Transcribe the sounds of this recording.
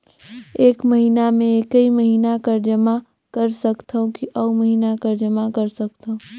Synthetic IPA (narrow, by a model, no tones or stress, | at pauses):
eːkməɦiːnamẽkəiməɦiːnakɐɾd͡ʒəma | kɐɾsɐkt̪ʰaũkiʔɐuməɦiːnakəɾd͡ʒɐmakɐɾsɐkt̪aõ